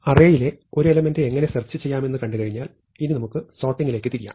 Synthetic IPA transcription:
ɐreːjile̞o̞ɾue̞lɐme̞ndɨeŋːɐne̞sɐrt͡ɕːɨt͡ɕe̞jːaːme̞nːɨkɐɳɖɨkɐɻiɲːaːl | inːɨnɐmukːɨso̞ːʈːiŋɡile̞ːkːɨt̪iɾija̰ːm

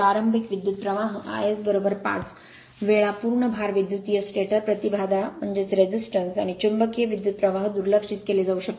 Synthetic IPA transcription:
aɾəmbʱikʋid̪jut̪̚pɾəʋaɦəa̰jesbəɾobəɾpa̰t͡s | ʋeɭapuːɾɳəbʱaɾʋid̪jut̪ijəsʈeʈəɾpɾət̪ibʱad̪am̤əɳd͡ʑet͡sɾed͡ʑisʈənsa̰ɽ̃it͡ɕumbəkijəʋid̪jut̪̚pɾəʋaɦəd̪uɾləkʂit̪keliːd͡zɐwʂək̚

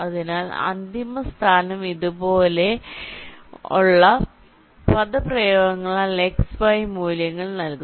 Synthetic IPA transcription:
ɐðinaːlɐ̰nd̪imɐst̪ʰaːnɐmiðubo̞ːle̞ | ṵɭːɐ | pɐðɐprɐjoːɡɐŋːɐɭaːleksbɐjmuːljɐŋːɐɭnɐlku

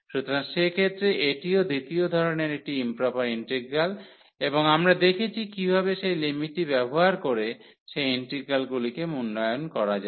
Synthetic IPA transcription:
ʃut̪oɾaŋʃekʰet̪ːɾeʔeʈiod̪it̪iod̪ʱɔɾoneɾek̚ʈiimpɾapaɾiɳʈiɡɡal | eboŋamɾad̪ekʰet͡ɕʰikibʱabeʃejlimiʈːibɛboɦaɾkoɾe | ʃejiɳʈɾiɡɡalɡulikemunːɔjonkɔɾad͡ʑa

